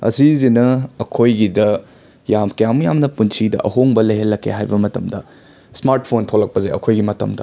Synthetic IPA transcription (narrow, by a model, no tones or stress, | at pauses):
ɐ̰sizinɐɐkʰojɡidɐ | jamkɐjamujamnɐpunsʰidɐ̰ʔɐɦoŋbɐlɐjɦelːɐkʰːḛɦajbɐmɐtɐmdɐ | smaɾtpʰontʰolɐk̚pɐzeɐ̰kʰojɡimɐtɐ̰mdɐ̰